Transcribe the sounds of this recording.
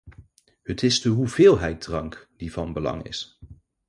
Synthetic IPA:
hətɪzdəɦuvɪːlˠɦɛjt̚drɑŋkd̥iv̥ɑnbəlɑ̰ŋɪ̰s

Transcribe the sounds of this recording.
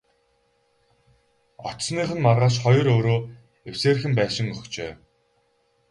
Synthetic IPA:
ɔ̰tsniːχɘ̆nmarʁaːʃ̬χɔjɞ̆ɾoːɾoː | ewseːr̆xɘ̆mpæːʃɪ̆ŋɵxt͡ɕeː

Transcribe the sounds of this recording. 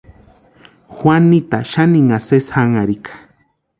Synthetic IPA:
xwanːit̪aʃaniŋaseshaŋaɾikʰḁ

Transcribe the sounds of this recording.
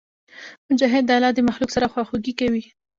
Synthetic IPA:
mʊd͡ʒɑɦɪd̪ːalɑd̪əmaxluksaɾaxwaxoɡikawi

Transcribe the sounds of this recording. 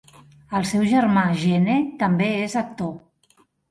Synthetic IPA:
əlˠsɛwʒəɾmaʒenet̪əmbeezək̚t̪o

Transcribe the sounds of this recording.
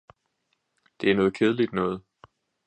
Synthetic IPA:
d̥e̝ænɔ̽ːð̞̩ˠkʰeð̞ˠlid̥nɔ̽ːð̞̩ˠ

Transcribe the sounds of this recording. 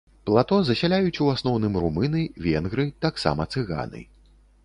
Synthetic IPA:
plˠat̪ɔzɐsʲalʲajut͡sʲuasnɔwnɨmɾumɨnɨvʲɛnɣɾɨt̪aksa̰mɐt̪sɨɣa̰nɨ̰

